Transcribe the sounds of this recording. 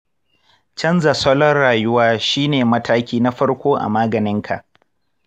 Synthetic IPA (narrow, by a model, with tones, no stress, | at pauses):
t͡ʃɐ˦nza˨sɔ˦lɔ˦rɽaː˨jʊ˦waː˦ʃiː˦neː˨mɐ˦tʰaː˦kʲiː˦na˦ɸɐ˦ɽkʷoː˦ʔa̰˨maː˦ɡɐ˨nɪ˦ŋkʰa̰˨ʔ